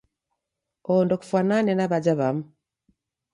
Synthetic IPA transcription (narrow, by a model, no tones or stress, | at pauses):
ondoku̥fananenaβad͡ʒaβamu